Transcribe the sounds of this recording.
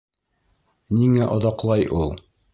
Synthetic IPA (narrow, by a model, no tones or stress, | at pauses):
niŋæʔŏðɑqlˠɑjʔulˠ